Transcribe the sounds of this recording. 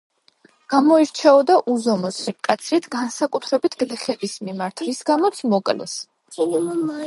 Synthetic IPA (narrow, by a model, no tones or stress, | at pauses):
ɡ̥amɔiɾt͡ʃʰɛɔd̪aʔuzɔmɔsikʼat̪sʰɾit̪ʰɡ̥ansakʼut̪ʰɾɛbit̪ʰɡ̥lɛχɛbismimaɾt̪ʰɾisɡamɔt̪sʰmɔkʼlɛ̰s